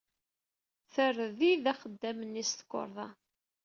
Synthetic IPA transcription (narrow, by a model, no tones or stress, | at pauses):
θərðiðæχəd̪ːæmənːist̪ə̥kʷːo̰ɾˤðˤɑ